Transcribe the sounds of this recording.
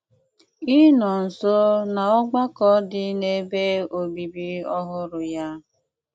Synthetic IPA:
i˦nɔ˨n̩˨so˦na˨ɔ˦ɡ͡ba˦kɔ˦dɪ˦ne˦be˦o˨bi˨bi˦ɔ˦ɦʊ˦ɾʊ˨ja˦

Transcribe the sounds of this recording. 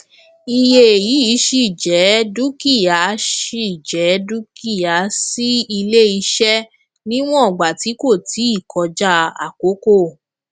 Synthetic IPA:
i˧je˧e˨ji˨˦i˨˦ʃi˧˨d͡ʒɛ˨˦du˦ki˦˨ja˨˦ʃi˦˧˨d͡ʒɛ˨˦du˦ki˦˨ja˨˦si˦i˧le˦i˧ʃɛ˦ | nĩ˦w̃ɔ̃˦ɔ˨ɡ͡ba˨ti˨˦ko˦˨tʰi˨˦i˦˨kʰɔ˧d͡ʒa˦˧a̰˨ko˨˦ko˦˨

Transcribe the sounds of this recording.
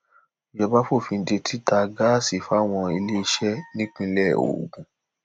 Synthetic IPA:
o˨jɔ˧ba˦fo˦˨fĩ˧n̩˦de˧tʰi˦ta˧ɡa˦si˨fa˦w̃ɔ̃˧i˧le˦i˧ʃɛ˦nĩ˦k͡pĩ˧˦lɛ˦˨o̰˨ɡũ˨˦

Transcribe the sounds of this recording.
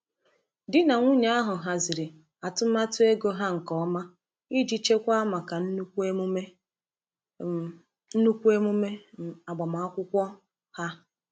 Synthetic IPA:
dɪ˦na˨ŋʷu˦ɲe˨˦a˦ɦʊ˨ɦa˨zi˨ɾi˨ | a˨tʊ˦ma˦tʊ˦e˦ɡo˦ɦa˦ŋ̩˨kɔ˨˦ma˦ | i˦d͡ʒi˦t͡ʃe˦kʷa˦a˦ma˨ka˨n̩˦kʷe˦m˦me˦ | n̩˦nu˦kʷu˦e˦mu˦me˦a˨ɡ͡ba˨ma˨a˦kʷʊ˦kʷɔ˦ | ha˦

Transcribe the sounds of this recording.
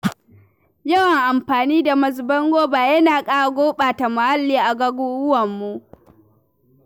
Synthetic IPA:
jɐ˦wɐ˨ŋʔa˨mɸaː˨niː˦da˨mɐ˨zbɐ˦ŋɡʷoː˦baː˨jɐ˦naː˨kʼaː˦a˨ɡʷoː˦ɓaː˨ta˨ma˨ha˦lːiː˦ʔa˨ɡɐ˦ɡʊ˦wʊ˦wɐ˨mːu˦ʔ

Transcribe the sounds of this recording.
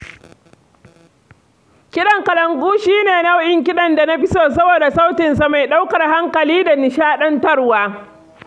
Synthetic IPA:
kʲɪ˦ɗɐ˨ŋkɐ˨lɐ˨ŋɡʷuː˦ʃiː˦neː˨na˦wʔɪ˦ŋk̬ʲɪ˦ɗɐ˨nda˨na˦ɸɪ˦soː˦˨sɐ˦boː˨da˨sa˦wtɪ˨nsa˨ma˨jɗa˦wkɐ˨rɦa˦ŋkɐ˨liː˦da˨nɪ˨ʃaː˦ɗɐ˦ntɐ˦rwaː˦

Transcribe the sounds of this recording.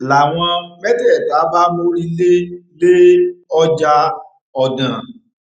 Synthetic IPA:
la˨w̃ɔ̃˧mɛ˦dɛ˦˨ta˨˦ba˦mo˦ɾi˦le˦le˦ɔ˦d͡ʒa˦ | ɔ˧˨dã˨

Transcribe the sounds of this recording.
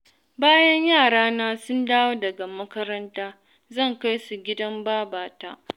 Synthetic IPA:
baː˦jɐ˦ɲjaː˦˨ɽaː˦naː˦sʊ˦ndaː˦woː˦dɐ˨ɡa˨mɐ˦kɐ˦ɾɐ˦ntaː˦ | zɐ˦˨ŋka˦jsu˨ɡʲɪ˦dɐ˦mbaː˦baː˨ta̰˦ʔ

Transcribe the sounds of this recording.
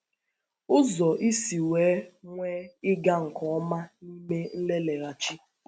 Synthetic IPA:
ʊ˦zɔ˨ʔi˦si˨weː˨˦ŋʷeː˦ɪ˦ɡa˦ŋ̩˨kɔ˦ɔ˦ma˦ni˦me˦n̩˦le˦le˨ɾa˨t͡ʃi˦

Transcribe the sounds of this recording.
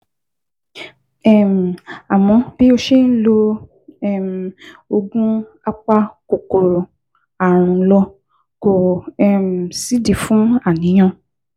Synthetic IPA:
ɛ˦˨m̩˨a˨mɔ̃˧b̥i˦o˧ʃe˦˨n̩˦lo˧ | ɛ˦˨m̩˨o˧ɡũ˦ | a˧k͡pa˧ko˨ko˨ɾ | a˨ɾ̃ũ˨˦lɔ˧ | ko˨ɛ˦˨m̩˨si˨˦di˨fũ˨˦a˦˨nĩ˨˦j̃ã˧

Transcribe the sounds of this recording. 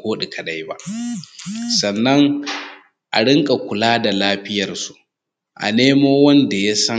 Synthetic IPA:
koː˦ɗi˨kʰɐ˨ɗa˦jba̰˦ʔ | sɐ˨nːɐ˦ŋ | ʔa̰˨ɽɪ˦ŋkʼa˨kʷʊ˨laː˦da˨laː˦ɸɪ˦jɐ˨rsu˨ʔ | ʔa̰˨neː˦moː˦wɐ˦nda˨ja˦sɐ˦

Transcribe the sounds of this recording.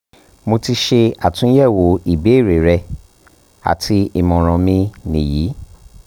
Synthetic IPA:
mo˧ti˧ʃe˧a˨tũ˨˦jɛ˦˨wo˨˦i˦˨be˨˦˨ɾe˨ɾɛ˧ | a̰˨tʰi˧i˦˨mɔ̃˨ɾ̃ɔ̃˨˧mĩ˧nĩ˨jiː˨˦

